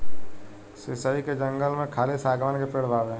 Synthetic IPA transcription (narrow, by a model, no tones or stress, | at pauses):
sɪsaːiked͡ʒə̃ŋɡəlmẽkʰaːlisaːɡʋaːnkepeɽ̤bʱaːbɛ̃